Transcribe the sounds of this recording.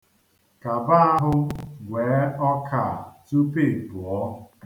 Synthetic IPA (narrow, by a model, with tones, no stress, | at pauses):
ka˨ba˦a˦ɦʊ˦ŋʷeː˨˦ɔ˦kʰa˨tu˦pe˦˨pu˨ɔ˦